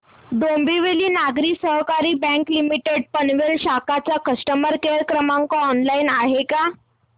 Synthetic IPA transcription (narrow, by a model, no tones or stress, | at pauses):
ɖ̪ombʱiʋeliːnaɡɾiːsəɦkaɾiːbɛ̃ŋklimiʈeɖ̚pənʋelɕakat͡sakəsʈəməɾkeɾkɾəmaŋkɔɔnlainaɦeka